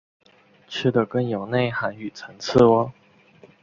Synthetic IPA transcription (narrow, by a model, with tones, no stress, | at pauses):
ʈ͡ʂ̩ʰ˥˩d̪ə˨kə˥˧njo˨˩ʊne˥˩ɪha˧˥ny˨˩t͡sʰə˧˥ŋt͡s̩ʰ˥˩wə˧˦